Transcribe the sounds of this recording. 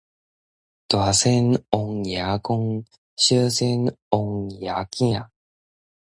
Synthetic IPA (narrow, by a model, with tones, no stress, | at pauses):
t̪wa˨se˦no˨˧ŋja˨ko˦˧ŋ | ɕə˦se˦˧no˧ŋja˨kĩ˦a˨